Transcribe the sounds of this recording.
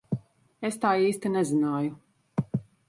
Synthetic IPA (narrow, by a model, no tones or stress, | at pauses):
est̪aːiːst̪inɛzinaːju